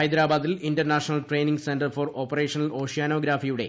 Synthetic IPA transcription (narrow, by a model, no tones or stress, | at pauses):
ɐjd̪ɾaːbaːðilindɐrnaːʂɐnɐlʈre̞jniŋɡsendɐrforo̞ːpːɐreːʂɐnɐlo̞ːʂijaːno̞ːɡɾaːfijuɽe̞̰